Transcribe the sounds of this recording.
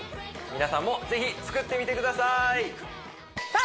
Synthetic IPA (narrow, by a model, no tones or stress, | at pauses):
mʲinasãmːo̞ze̞çit͡sɨ̥kɯ̟t̪ːe̞mʲit̪e̞kɯ̟d̪asai